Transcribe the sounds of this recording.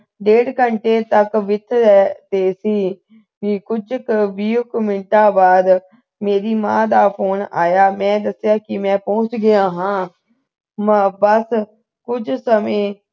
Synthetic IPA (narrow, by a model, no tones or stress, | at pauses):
ɖeːɽkəɳʈeːt̪əkʋɪt̪ʰːɾɛːt̪eːsiː | ʋiːkʊd͡ʒkʋiːʊkmɪɳʈãːbaːd̪ | meːɾiːmãːd̪aːpʰoːnaːjaːmɛ̃ːd̪əsjaːkɪmɛ̃ːpɔːʊt͡ʃɡɪjãːɦãː | mbəs | kʊd͡ʒsəmẽː